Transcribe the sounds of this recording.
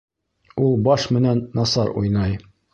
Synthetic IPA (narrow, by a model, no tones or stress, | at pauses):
ulˠbɑʃmɘ̆nænːɑsɑɾṵjnɑj